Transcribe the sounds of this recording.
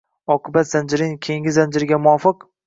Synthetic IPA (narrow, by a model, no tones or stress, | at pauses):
ɒqʰɨbat̪z̥and͡ʒɪɾɪŋkʲʰe̞ŋʲɪzand͡ʒɪɾɪɡʲamʊɒfɨq